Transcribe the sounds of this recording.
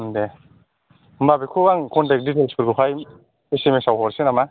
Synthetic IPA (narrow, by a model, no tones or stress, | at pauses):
nde | mbabikʰowaŋkʰɔntek̚dit̬elspiɾɡupʰaj | esemesawɦɔɾsenama